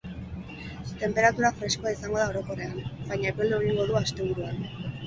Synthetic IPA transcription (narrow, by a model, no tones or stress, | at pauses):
t̪e̞mpe̞ɾat̪uɾafɾe̞sko̞aisaŋɡo̞ðao̞ɾo̞ko̞re̞anbajɲape̞ld̪eoɾiŋɡo̞ðuast̪e̞β̞uɾuan